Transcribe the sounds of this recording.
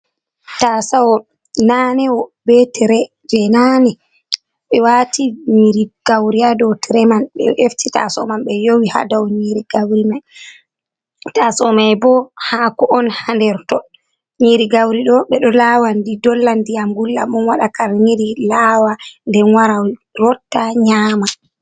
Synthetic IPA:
tasawɔ | nanɛɔbɛtɛɾɛ | d͡ʒɛnanɛ | ɓɛwatiɲiɾiɡ̥awɾiadɔtɛɾɛmanɓɛ̰ʔeftita̰sɔmanɓɛjowiha̰dawɔɲiɾiɡawɾimaj | tasɔmajbɔhaːkɔʔɔnhandɛɾtɔ | ɲiɾiɡawɾiɗɔɓɛɗɔlaːwandidɔlːandijamɡulːa̰mɔnwaɗakaɾɲiɾilawandɛwaɾawiɾɔtːaɲaːma

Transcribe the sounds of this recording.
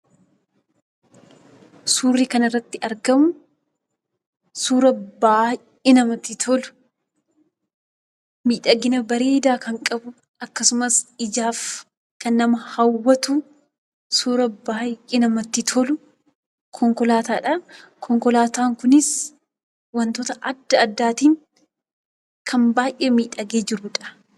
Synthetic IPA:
suːrːiːkɐnɪrːɐt̪ːɪʔɐɾɡɐmʊ | suːɾɐbaː | ɪnɐmɐt̪ːɪt̪ʰɔlʊ̥ | miːᶑɐɡɪnɐbɐɾe̞ːd̪aːkɐŋkʼɐbʊ | ɐkːɐsʊmɐsɪd͡ʒaːf | kɐnːɐmɐhɐwwːɐt̪uː | suːɾɐbaːʔʼɪnɐmɐt̪ːɪt̪ʰɔlʊ | kʰɔŋkɔlaːt̪aːᶑɐkʰɔŋkɔlaːt̪aːŋkʊnɪs | wɐnt̪oːt̪ɐʔɐd̪ːɐːd̪ːaːt̪iːŋ | kʰɐmbaːjʔeːmiːᶑɐɡeːd͡ʒɪɾʊᶑɐ̥

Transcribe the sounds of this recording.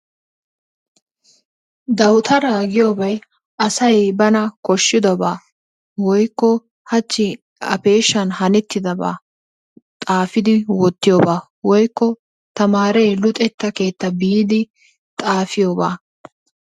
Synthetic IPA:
d̪ɐwt̪ʰɐɾaːɡɪjoːbɐj | ʔɐsɐjbɐnɐkɔʃːɪd̪ɔbaː | wɔjkːɔ | hɐt͡ʃːɪ | ɐ̰pe̞ːʃːɐnhɐnɪt̪ːɪd̪ɐba̰ː | t̪ʼaːfɪd̪ɪwɔt̪ːɪjoːbaː | wɔjkːɔ | t̪ɐmaːɾejlʊt̪ʼɛt̪ːɐke̞ːt̪ːɐbiːd̪ɪ | t̪ʼaːfɪjoːba̰ː

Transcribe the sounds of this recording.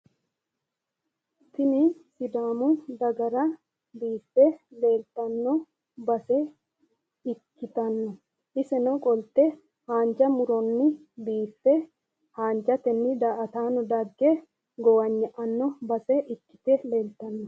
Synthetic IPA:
t̪ɪnɪsɪd̪aːmʊd̪ɐɡɐɾɐ | biːfːɛleːlt̪ːɐnːɔ | bɐsɛ | ɪkːɪt̪ɐnːɔ | ʔɪsɛnɔkʼɔlt̪ːɛ | haːɲd͡ʒɐmʊɾɔnːɪ | biːfːɛ | haːnd͡ʒɐt̪ɛnːɪd̪aːʔɐt̪aːnɔd̪ɐɡːɛ | ɡɔwɐɲːɛʔɐnːɔbɐsɛʔɪkːɪ̥t̪ɛleːlt̪ɐnːɔ

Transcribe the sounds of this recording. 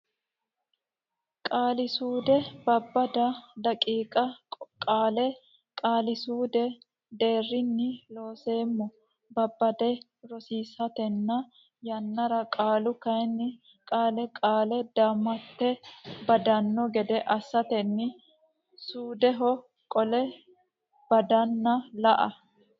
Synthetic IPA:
kʼaːlɪsuːd̪ɛbɐbːɐd̪ɐd̪ɐkʼiːkʼɐkʼaːlɛ | kʼaːlɪsuːd̪ɛ | d̪e̞ːrːɪnːɪlo̞ːse̞ːmːɔ | bɐbːɐd̪ɛ | ɾɔsiːsɐt̪ɛnːɐ | jɐnːɐɾɐkʼaːlʊkɐjnːɪ | kʼaːlɛkʼaːlɛd̪aːmːɐt̪ːɛbɐd̪ɐnːɔɡɛd̪ɛʔɐsːɐt̪ɛnːɪ | suːd̪ɛɦɔ | kʼɔlɛ | b̥ɐd̪ɐnːɐlɐʔɐ

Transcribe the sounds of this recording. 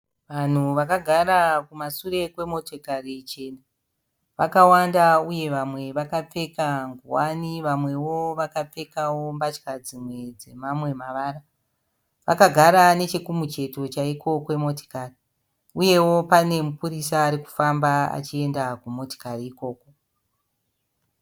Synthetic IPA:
ʋan̤uʋakaɡʱaɾakumasure̞kwe̞mo̞to̞karit͡ʃe̞na | ʋakawandauje̞ʋamwe̞ʋakap͡fe̞kaŋɡuwaniʋamwe̞wo̞ʋakap͡fe̞kawo̞mbat͡ʃkad͡zimwe̞d͡ze̞mamwe̞maʋaːɾa | ʋa̰kaɡʱaɾane̞t͡ʃekumut͡ʃe̞to̞t͡ʃaiko̞kwe̞mo̞to̥kari | uje̞wo̞pane̞mupuɾisaːɾiku̥fambaa̰t͡ʃie̞ndakumo̞to̥kariːko̞ːko̞

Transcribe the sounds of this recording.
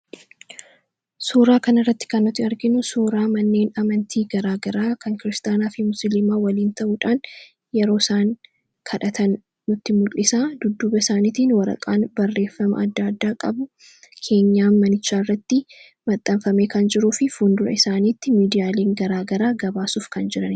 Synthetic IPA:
suːɾaːkɐnɐrːɐt̪ːɪ̥kɐnːʊt̪ːɪɐɾɡɪnʊsuːɾaːmɐnːe̞ːnɐmɐnt̪ʰiːɡɐɾaːɡɐɾaːkʰɐŋkɪɾɪst̪ʼaːnaːfɪmʊsɪlɪmaːwɐliːnt̪ɐʔuːᶑaːn | jɛɾo̞ːsaːŋ | kʰɐᶑɐt̪ʰɐnː | ʊt̪ːɪmʊlːɪsaːd̪ʊd̪ːuːbɐɪsaːniːt̪iːnwɐɾɐ̰kʼaːnbɐrːe̞ːfːɐmɐ̰ɐd̪ːaːd̪ːaːkʼɐbʊ | kʰe̞ːɲːaːmɐnɪt͡ʃːaːɪrːɐt̪ːɪ | mɐt̪ʼːɐmfɐme̞ːkɐnd͡ʒɪɾuːfɪfund̪ʊɾɐ̰ɪsaːniːt̪ːɪmiːd̪ɪjaːleːŋɡɐɾaːɡɐɾaːɡɐbaːsuːfkɐnd͡ʒɪɾɐn

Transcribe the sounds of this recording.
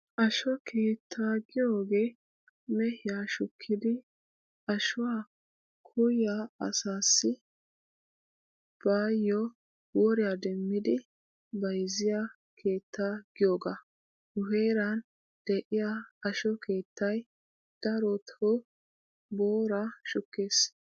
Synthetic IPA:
ʔɐʃɔkʰe̞ːt̪ʰːaːɡɪjoːɡe̞ː | mɛhɪjaːʃʊkʰːɪd̪ɪ | ɐʃʊwaː | kʰʊjjaɐ̰saːsːɪ | b̥aːjːɔ | wɔɾɪjad̪ɛmːɪd̪ɪ | bɐjzɪja | kʰe̞ːt̪ʰːaːɡɪjoːɡa | ʊheːɾɐn | d̪̥ɛʔɪjaɐʃɔkʰe̞ːt̪ːɐj | d̪̥ɐɾɔt̪ɔ | boːɾaʃʊkːe̞ːs

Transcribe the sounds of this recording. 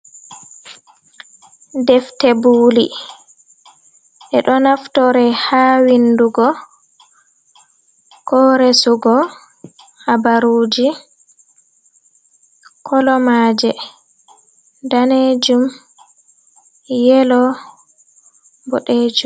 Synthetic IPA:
dɛftɛbuːli | ʔɛɗɔnaftɔɾɛhaːwinduɡɔ | kʰɔɾɛsuɡɔ | habaɾuːd͡ʒi | kʰɔlɔmaːd͡ʒɛ | daned͡ʒum | jɛlɔ | bɔɗeːd͡ʒum

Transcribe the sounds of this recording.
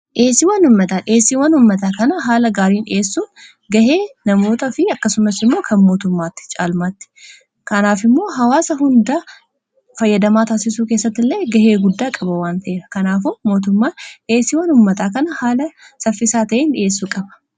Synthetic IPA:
ʔeːsːɪwɐnʊmːɐt̪ɐnʔe̞ːsɪwɐnhʊmːɐt̪aːkɐnɐɦaːlɐɡaːɾiːne̞ːsːuːn | ɡɐhe̞ːnɐmo̞ːt̪ɐfɪɐkːɐsʊmɐsɪmːo̞ːkʰɐnmo̞ːt̪ʊmːaːt̪ːɪ̥t͡ʃʼa̰ːlmaːt̪ːɪ̥ | kɐnaːfɪmːo̞ːɦɐwaːsɐɦʊnd̪ɐ | fɐjːɐd̪ɐmaːt̪aːsɪsuːke̞ːsːɐt̪ːɪlːɐɡɐhe̞ːɡʊd̪ːaːkʼɐbɐwaːnt̪ɐʔeːɾɐkɐnaːfumo̞ːt̪̬ʊmːaːnʔe̞ːsːɪwɐnʊmːɐt̪aːkɐnɐhaːlɐsɐfːɪsaːt̪ɐʔeːnᶑɪe̞ːsːuːkʼɐbɐ̥

